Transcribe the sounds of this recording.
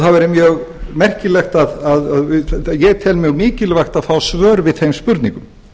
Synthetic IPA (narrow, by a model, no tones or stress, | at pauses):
θavɛɾɪmjœːɣmɛr̥cɪlɛxt̪aðaðaðjɛt̪ʰɛlmɪɣmɪːcɪlvajxt̪aðfawsvœːɾvɪðθejmspʏɾt̪niŋkʏm